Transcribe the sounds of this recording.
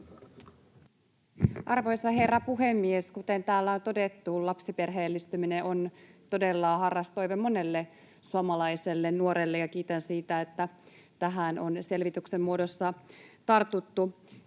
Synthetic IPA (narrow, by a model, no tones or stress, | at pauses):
ʔɑrʋo̞jsɑɦe̞rːɑpuɦemːieskut̪e̞nt̪æːlːæont̪o̞det̪ːulɑpsipe̞rɦeːlːist̪ymineʔo̞nt̪o̞delːɑːhɑrːɑst̪o̞jʋemːo̞ne̞lːe | suomɑlɑjselːennuoɾelːejɑkiːt̪ænsiːt̪æet̪ːæ | t̪æɦæno̞nse̞lʋit̪yksemːuo̞do̞sːɑt̪ɑrt̪ut̪ːu